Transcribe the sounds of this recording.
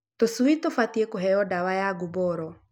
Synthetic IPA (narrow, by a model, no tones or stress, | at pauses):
tosuitofatiekoɦɛɔdawajaɡubɔɾɔ